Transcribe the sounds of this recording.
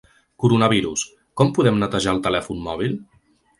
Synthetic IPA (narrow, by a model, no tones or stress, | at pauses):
kuɾunəβ̞iɾus | kɔmpuðɛmnət̪əʒaəlˠt̪əlɛfunːɔβ̞ilˠ